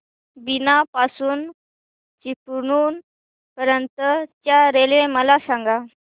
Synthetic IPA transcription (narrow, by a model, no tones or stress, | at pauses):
binapasuːn | t͡ɕipɳuːn | pəɾənt̪ət̪jaɾelẽməlasaŋɡa